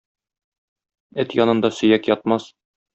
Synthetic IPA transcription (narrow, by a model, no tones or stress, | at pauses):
ɘt̪jɒnɤ̆nd̪ɑsɵ̆jækjɒt̪̚mɑs